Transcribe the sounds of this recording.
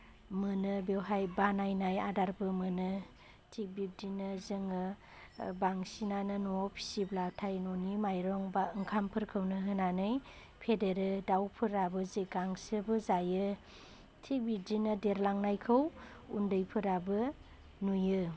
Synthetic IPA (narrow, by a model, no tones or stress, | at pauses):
mɯnɯbewɦajbanajnajadaɾbɯmɯnɯ | tʰik̚bip̚dinɯzɯŋɯ | baŋsinanɯnɔɔpʰi̥siblatʰajnɔnimajɾɔŋbaɯŋkʰampʰɯɾkʰɯwnɯɦɯnanɯj | pʰedeɾɯdawpʰɯɾabɯziɡaŋsɯbɯzajɯ | tʰik̚bip̚dinɯdeɾlaŋnajkʰɯw | undɯjpʰɯɾabɯ | nujɯ